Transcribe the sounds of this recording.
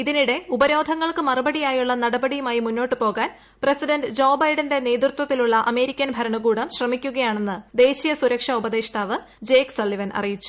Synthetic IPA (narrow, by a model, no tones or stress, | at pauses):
iðiniɽe̞ubɐɾo̞ːd̪ʱɐŋːɐɭkɨmɐrɨbɐɽijaːjuɭːɐnɐɽɐbɐɽijumaːjimunːo̞ːʈːɨpo̞ːɣaːn | presiɖɐnɖɨd͡ʑo̞ːbɐjɖɐnde̞ne̞ːd̪rɨt̪wɐt̪ːiluɭːɐʔɐme̞ːɾikʲːɐnbʱɐɾɐɳɐɡuːɽɐmɕrɐmikʲːuɣɐjaːɳe̞nːɨd̪e̞ːɕijɐsuɾɐkʂɐubɐðeːʂɐʈ̪ʰaːʋɨ | d͡ʑe̞ːksɐlːiʋɐnʔɐ̰rijit͡ɕːu̥